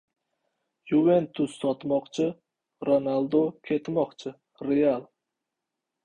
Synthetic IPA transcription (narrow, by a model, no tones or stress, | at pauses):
juvent̪ʰʊsːɒt̪mɒqt͡ʃʰɪ | ɾonalˠd̪okʲʰe̞t̪mɒqt͡ʃʰɪ | ɾealˠ